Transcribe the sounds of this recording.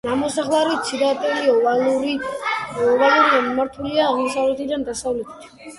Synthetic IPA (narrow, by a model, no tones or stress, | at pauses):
namɔsaχlˠaɾit̪sid̪at̪ʼɛliɔaluɾi | ɔvalˠuɾianmaɾt̪ʰuliaːʁmɔsavlɛt̪ʰid̪and̪asavlɛt̪ʰi̥t̪ʰ